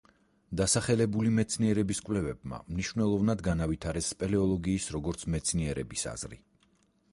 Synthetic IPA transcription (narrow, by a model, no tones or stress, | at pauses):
d̪asaχɛlɛbulimɛt̪sʰniɛɾɛbiskʼvlɛvɛbma̰mniʃvnɛlˠɔvnad̪ɡanavit̪ʰaɾɛspʼɛlɛɔlˠɔɡiːsɾɔɡɔɾt̪sʰmɛt̪sʰniɛɾɛ̰bisa̰z̥ɾḭ